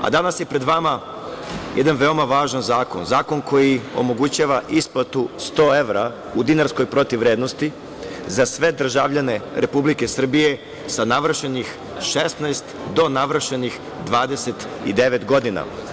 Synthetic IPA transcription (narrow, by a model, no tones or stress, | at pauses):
a̰d̪anasje̞pɾe̞d̪ʋama | jʔed̪anʋe̞o̞maʋaːʒanzaːko̞̰nzaːko̞nkʰo̞jio̞̰mo̞ɡut͡ɕaːʋaʔisplˠat̪ust̪o̞e̞ʋɾa | ud̪inaɾskojpɾot̪iʋɾeːd̪nost̪i | zasʋe̞d̪r̩ʒaʋʎane̞ɾepublike̞sr̩bije̞ | sanaʋr̩ʃenix | ʃe̞st̪najst̪d̪o̞naʋrʃenix | d̪ʋaːd̪e̞set̪ | ḭd̪e̞ʋet̪ɡo̞d̪ina̰